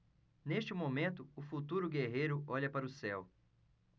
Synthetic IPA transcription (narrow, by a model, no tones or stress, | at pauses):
neʃt͡ʃɪmomẽt̪ʊʊfut̪uɾʊɡeɦejɾʊɔʎɐpaɾʊsɛw